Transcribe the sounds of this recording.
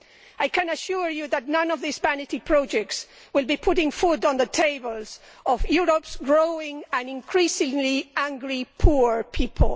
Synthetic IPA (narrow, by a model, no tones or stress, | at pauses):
ajkʰɨ̃nɨʃuɹjuðɨtⁿnʌ̃nʌvðisbænɨɾipʰɹ̥ɔd͡ʒɛk̚ts | wɨlˠbipʰʊɾɪ̃ŋfʊɾn̩ðətʰeɪbəl̩ˠz̥ | ɔvjuɹəpsɡɹoʊɪ̃ŋæ̃nɪ̃nkʰɹ̥isɪ̃ŋliæ̃ŋɡɹipʰuɹpʰipʰəl̩ˠ